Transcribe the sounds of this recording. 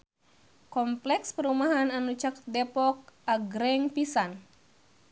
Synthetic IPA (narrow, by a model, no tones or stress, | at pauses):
kɔmplɛkspəɾumaɦananut͡ʃakdɛpɔk̚ʔaɡɾɛŋpisan